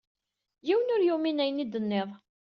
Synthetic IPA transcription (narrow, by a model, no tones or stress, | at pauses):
jiwənʊɾjuminæjənːid̪ənːeðˤ